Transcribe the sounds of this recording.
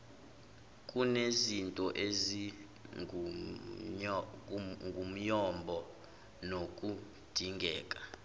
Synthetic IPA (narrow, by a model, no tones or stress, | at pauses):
kʼunezintʼɔʔezi | ŋɡʱum̩jɔmbʱɔ | nokʼu | d̥ʱiŋɡʱɛːkʼḁ